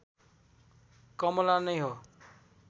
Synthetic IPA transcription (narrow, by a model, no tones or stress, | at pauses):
kʌmlanʌjɦo